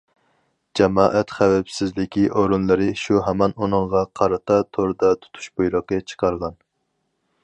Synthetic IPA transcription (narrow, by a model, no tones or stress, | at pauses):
d͡ʒɛmɑːʔɛt̪χæwɛpsɪzlɪkʲiʔoɾunlˠɨɾɨʃuɦɛmɑnunɨŋʁɑqʰɑɾɨt̪ʰɑt̪ʰoɾd̪ɑt̪ʰu̥t̪ʰu̥ʃbojɾəqət͡ʃʰə̥qʰɑɾʁɑn